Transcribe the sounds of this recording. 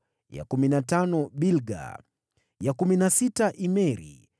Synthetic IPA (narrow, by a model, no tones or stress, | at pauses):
ja̰kuminatanɔɓilɡa̰ | jakuminasitaʔimɛɾḭ